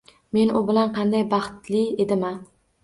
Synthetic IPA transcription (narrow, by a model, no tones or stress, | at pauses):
me̞nʊbɪlanqʰɑnd̪ajbɑχt̪lɪed̪ɪma